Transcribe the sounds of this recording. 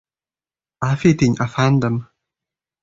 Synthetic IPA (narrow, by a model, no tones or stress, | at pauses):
afit̪iɲʔafand̪əm